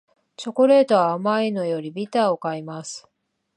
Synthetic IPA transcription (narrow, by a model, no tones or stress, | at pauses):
t͡ɕo̞ko̞ɾe̞ːt̪o̞βaːmaino̞jo̞ɾʲibʲit̪aːo̞kaimasɨ̥